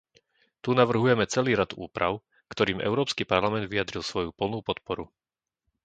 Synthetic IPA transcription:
t̪unaʋr̩ɦujɛmɛt͡sɛliːɾad̪ṵːpɾʔa̰ʊ | kt̪ɔɾiːmʔɛ̰ʊɾɔːpskipaɾlamɛnd̪ʋijad̪ɾilˠsʋɔjupl̩ˠnuːpɔt̪pɔɾu

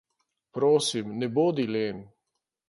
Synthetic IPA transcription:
pɾoːsimnɛboːd̪ileːn

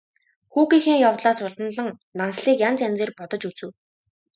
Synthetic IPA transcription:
xuːɣiːxeːŋjawt̪ɮaːsʊɮt̪ə̆nɮə̆ŋ | nansɮiːkjant͡sænʲt͡seːrpɔt̪ɞ̆t͡ɕut͡sɘ̆w

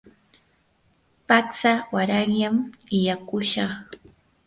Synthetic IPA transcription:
pakt͡sawaɾɑŋʎamɪjakʊʃɑχ

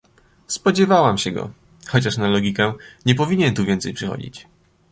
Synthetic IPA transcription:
spɔd͡ʑɛvawamɕɛɡɔ̰ | xɔt͡ɕaʂnalɔɡʲikɛɲɛp̬ɔvʲiɲɛnt̪uvʲɛnt̪sɛjpʂɛxɔ̰d͡ʑḭt͡ɕ

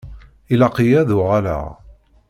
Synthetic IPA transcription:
ilɑqijæðʊʁalæ̰

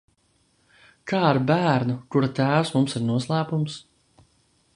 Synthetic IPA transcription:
kʰaːiɾbæːɾnukuɾat̪æːwsmumsiɾnuɔslˠæːpums

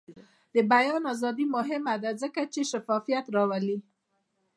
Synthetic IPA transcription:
d̪̥əbajɑnazɑd̪imʊɦɪmad̪azəkat͡ʃeʃafɑfijat̪ɾɑwali

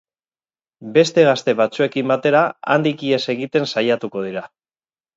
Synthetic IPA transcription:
be̞st̪e̞ɣast̪e̞βat͡sue̞kimbat̪e̞ɾaa̰nd̪ikie̞se̞ɣ̞it̪e̞nsajat̪uko̞ð̞iɾa

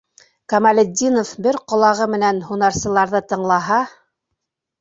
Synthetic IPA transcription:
kɐmalʲɘ̆d̪ʲːinofbɘɾqŏlˠɑʁɤmɘ̆nænhunɑɾsɤ̆lˠɑɾðɤt̪ɤ̆ɴlˠɑɦɑ

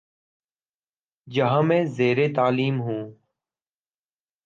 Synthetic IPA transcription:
d͡ʒəɦãːmẽːzeːɾeːt̪aːliːmɦũː

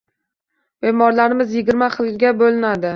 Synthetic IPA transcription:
b̥emɒɾlaɾɪmɪzjɪɡʲɪɾmaχɨlˠɡʲabolɪnad̪ɪ

